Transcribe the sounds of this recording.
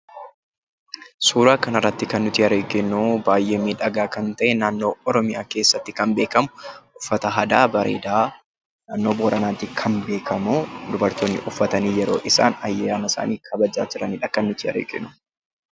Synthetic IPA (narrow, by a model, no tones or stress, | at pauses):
suːɾaːkɐnɐrːɐt̪ːɪkɐnːʊt̪ɪɐɾeːɡɪnːuːbaːjʔeːmiᶑɐɡaːkɐnt̪ɐʔɛnaːnːo̞ːɔɾɔmɪja̰ːke̞ːsːɐt̪ːɪkɐmbe̞ːkɐmʊʔʊfːɐt̪ɐɦɐd̪aːbɐɾḛːd̪aː | naːnːo̞ːboːɾɐnaːt̪ɪkʰɐnbe̞ːkʰɐmuːd̪ʊbɐɾt̪oːnːɪ̰ʔʊfːɐt̪ɐniːjɛɾo̞̰ːʔɪsa̰ːnɐjːɛjaːnɐsa̰ːniːkʰɐbɐd͡ʒa̰ːd͡ʒɪɾɐnɪᶑɐkɐnːʊt̪ɪɐ̰ɾḛːɡɪ̰nʊː